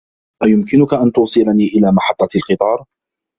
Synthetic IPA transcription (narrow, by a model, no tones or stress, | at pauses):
ʔajʊmkɪnʊkaʔant̪ʊwsˤɨlaniːʔɪlaːmɑħɑt̪ˤːɑlqɨt̪ˤɑːɾˤ